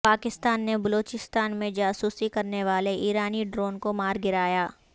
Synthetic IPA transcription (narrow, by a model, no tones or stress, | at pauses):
paːkɪst̪aːnːebɐloːt͡ʃɪst̪aːnmẽd͡ʒaːsuːsikɐɾneʋaːleʔiːɾaːniɖɾoːnkomaːɾɡɪɾaːjaː